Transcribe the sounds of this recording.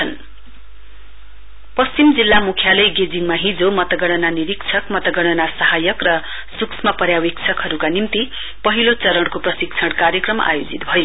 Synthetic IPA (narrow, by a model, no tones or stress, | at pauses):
ʌn | pʌst͡simd͡zilːamukʰjalʌjɡed͡ziŋmaɦĩd͡zomʌt̪ʌɡʌɽ̃ʌnaniɾikt͡sʰʌkmʌt̪ʌɡʌɽ̃ʌnasʌɦajʌkrʌ | suksʰmapʌɾjawikt͡sʰʌkɦʌɾukanimt̪i | pʌɦilot͡sʌɾʌɽkoprʌsikt͡sʰʌɽkaɾjʌkrʌmʔa̰jod͡zit̪bʱʌjo